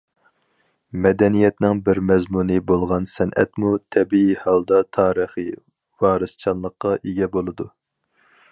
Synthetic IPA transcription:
mɛd̪ɛnijɛt̪nɪŋbɪɾmɛzmunɨbolˠʁɑnsɛnʔɛ̰t̪mut̪ʰɛbiihɑlˠd̪ɑt̪ʰɑːɾəχi | vɑːɾɨst͡ʃʰɑnlˠəqːɑʔeɡʲɛbolˠɨd̪u

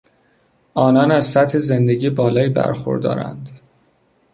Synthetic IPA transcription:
ɒːnɒːnæzsæt̪he̞ze̞nd̪eɟiːbɒːlɒːjibæ̰ɾxo̰ɾd̪ɒ̰ːɾæ̰nd̪

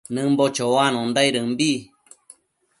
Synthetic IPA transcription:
nɨ̃mbot͡ʃowanõnd̪aiɾɨmbi

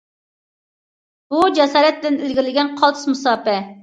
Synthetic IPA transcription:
b̥ud͡ʒɛsɑːɾɛt̪̚bɪnilɡʲiɾlɪɡʲɛnqʰɑlˠt̪ʰʊ̥smusɑːpɛ

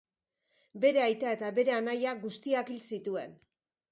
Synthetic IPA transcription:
be̞ɾe̞ajt̪ae̞t̪aβe̞ɾe̞anajaɡust̪iakilsit̪ue̞n

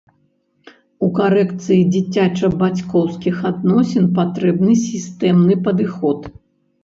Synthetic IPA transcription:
ukaɾɛkt̪sɨjid͡zʲit͡sʲat͡ʂɐbat͡sʲkɔwskʲixad̪nɔsʲɛnpat̪ɾɛbnɨsʲist̪ɛmnɨpɐd̪ɨxɔt̪

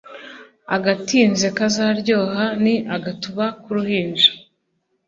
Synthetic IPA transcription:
aɡatiːnzekazaɾɟo̞ːhaniʔaɡatuβakuɾuhiːnd͡ʒḁ

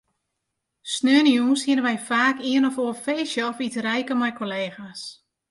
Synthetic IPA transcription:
snøənjunshɪənənʋɛjfaːkiənəfoːfeːsəɔfitrɛjkəmɛjkʰoleːxas

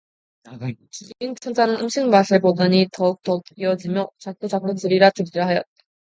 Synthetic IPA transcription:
kiɡiŋt͡ɕʰʌnd͡ʑ͈ʰanɯnɯmɕʰiŋmas͈ʰɯɭpodɯɲitʌuk̚t͈ʌkiʌd͡ʑimjʌt͡ɕak̚t͈ot͡ɕak̚k͈otɯɾiɾatɯɾiɾɯɦajʌt͈̚

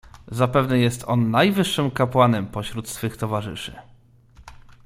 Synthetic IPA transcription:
zapɛvnɛjɛst̪ɔnːajvɘʂːɘmkapwanɛmpɔɕɾut̪sfɘxt̪ɔvaʐɘ̰ʂɘ̰

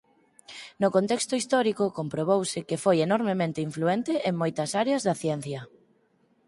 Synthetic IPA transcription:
nʊkont̪ɛkst̪ʊist̪ɔɾikʊkompɾoβowsɪkefojenɔɾmemẽnt̪ɪiɱfluent̪ɪʔeŋmojt̪ɐsaɾeɐzðɐθjɛn̟θjɐ

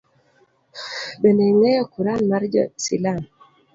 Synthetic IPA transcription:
bɛneŋɛjɔkuɾanmaɾd͡ʒɔ̰sḭlan

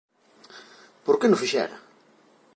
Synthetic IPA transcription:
poɾkenʊfiʃɛ̰ɾa̰

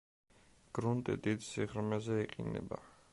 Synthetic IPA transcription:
ɡ̥ɾunt̪ʼḭd̪id̪siʁɾmɛzɛiqʼḭnɛ̰ba̰

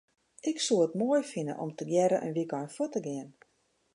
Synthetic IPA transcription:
ʔɪksuətmoəjfɪnə̰nʔo̰mtəɡjɛɾəʔə̰nʋikɔjnfutəɡɪən

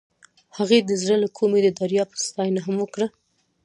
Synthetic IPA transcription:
haɣed̪əzɽəlakʰomed̪əd̪aɾjɑpəst̪ɑjnaɦamwəkɽə

